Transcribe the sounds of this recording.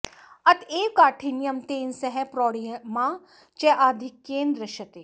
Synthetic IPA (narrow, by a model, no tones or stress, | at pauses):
ɐt̪eːkaːʈʰinjɐmt̪eːnsɐɦɛpɾɔːɽiɐmaː | t͡ʃɛʔaːd̪ʱɪkːẽːnd̪ɾəʃɐt̪eː